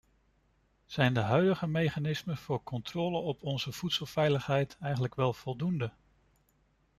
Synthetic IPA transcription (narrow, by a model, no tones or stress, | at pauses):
z̥ɛjndəɦœɥdəχəmejχanɪsməv̥ʊːɹkɔntroːləɔpʰɔnzəv̥utsəlˠvɛjləχɦɛjtɛjχənləkʋɛlˠv̥ɔlˠdundə